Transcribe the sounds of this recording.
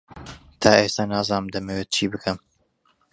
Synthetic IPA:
t̪ʰaːʔeːst̪anaːzaːnɨmd̪ɐmɛweːt̪̚t͡ʃʰiːbɨkʰɨm

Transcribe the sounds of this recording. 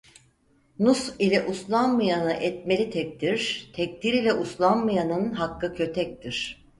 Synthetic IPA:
nusilʲɛʔuslˠanmajanɯʔɛt̪̚melʲit̪ʰɛk̚t̪ʰiɾ̥t̪ʰɛc̚t̪ʰiɾilʲɛʔuslˠanmajanɯnɦakːɯkʰø̞t̪ʰɛc̚t̪ʰiɾ̥

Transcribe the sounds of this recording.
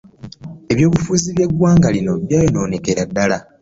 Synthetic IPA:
e̞βjo̞ːβufuːziβje̞ɡwaːŋɡalino̞βjaːjono̞ːne̞ke̞ɾadːala

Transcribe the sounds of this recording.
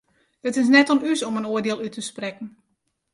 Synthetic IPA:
dətɪs̬nɛtɔnysɔmənoərdeəlˠytʰəsprɛkn̩

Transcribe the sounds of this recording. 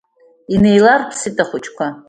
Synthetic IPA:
ine̞jlarpʰsɨtʼaχʷʊt͡ʃʰʼkʷa

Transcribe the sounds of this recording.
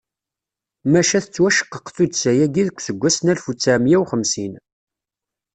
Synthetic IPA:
mæʃæθət͡sːwæʃə̥qːəqθud̪sæjæɡiðəkʷːsəɡʷːæsnælfut͡sːæmjæwχəmsin

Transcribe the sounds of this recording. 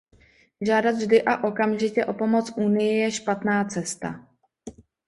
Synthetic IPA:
ʒaːdad̪vʒdɪʔaʔo̞kamʒɪcɛʔo̞po̞mo̞t͡sʔuːnɪjɪjɛʃpat̪naːt͡sɛst̪a̰

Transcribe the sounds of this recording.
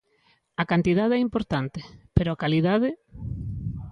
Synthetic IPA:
akant̪ið̞aðeɛimpoɾt̪ant̪epeɾoakaliðaðɪ

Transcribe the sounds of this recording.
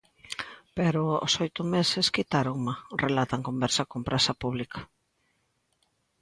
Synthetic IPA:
peɾʊo̰sojt̪ʊmeseskit̪aɾomarelat̪aŋkombɛɾsakompɾʔasapuβlikḁ

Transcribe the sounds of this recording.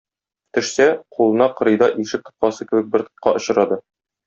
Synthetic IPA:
t̪ɵ̆ʃsæqulˠɤ̆nɑqɤ̆ɾɤ̆jd̪ɑʔiʃɘk̚t̪ɤ̆p̪̚qɑsɤkɘ̆bɘ̆k̚bɘɾt̪ɤ̥̆p̚qɑ̰ʔŏɕɤ̆ɾɑd̪ɤ

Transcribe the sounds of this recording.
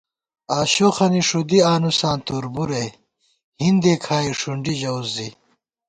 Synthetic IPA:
aːɕoxɐniʂud̪iaːnusãːnt̪uːɾbuɾe | hind̪eːkʰaːiʂuɳɖiʑɐwzːi

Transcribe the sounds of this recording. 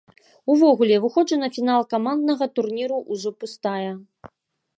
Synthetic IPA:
uvɔɣulʲɛvɨxɔd͡ʐɐnɐfʲinalˠkamand̪̚nɐɣɐt̪urnʲiɾuʔuzɔpust̪ajɐ

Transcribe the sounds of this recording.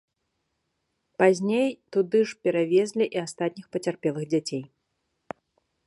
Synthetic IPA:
pazʲnʲejt̪ud̪ɨʂpʲɛɾavʲɛzʲlʲiʔiast̪at̪ʲnʲixpɐt͡sʲarpʲɛlˠɨɣd͡zʲat͡sʲej

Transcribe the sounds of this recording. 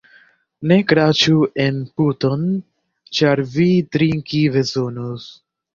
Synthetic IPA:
ne̞kɾat͡ʃuenput̪on | t͡ʃaɾvitɾiŋkivezonus

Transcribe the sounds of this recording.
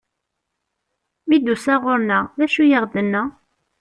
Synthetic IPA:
mid̪usæʁʊɾnæðæʃujəʁd̪ənːæ

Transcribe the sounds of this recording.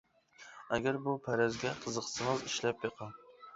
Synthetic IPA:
æɡʲæɾbupʰæɾæzɡʲɛqʰəzəqsɨŋɨziʃlɛpjeqʰɑ

